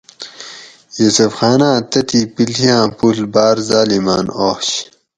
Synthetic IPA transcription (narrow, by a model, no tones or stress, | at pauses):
jusufxaːnãːt̪ɐt̪ipilijãːpulbaːɾzaːlimaːnoːɕ